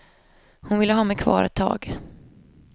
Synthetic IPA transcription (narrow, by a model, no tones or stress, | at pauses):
hʊnvɪlːəɦɑːmɛjkʰvɑ̰ːɾɛ̰t̪ʰːɑ̰ːɡ